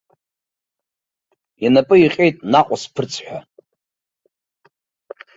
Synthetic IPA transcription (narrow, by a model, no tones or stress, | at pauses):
janapʼɨiqʲʼe̞jtʼnaqʷʼaspʰɨrt͡sʰħʷᶣa